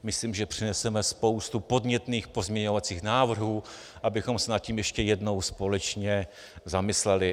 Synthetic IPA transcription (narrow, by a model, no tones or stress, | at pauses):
mɪsliːmʒɛpr̥ɪnɛsɛmɛspo̞wst̪upo̞dɲɛt̪niːxpo̞zmɲɛɲo̞vat͡siːxnaːvr̩ɦuː | ʔabɪxo̞msɛnat̪̚ciːmjɛʃcɛjɛdno̞wspo̞lɛt͡ʃɲɛ | zamɪslɛlɪ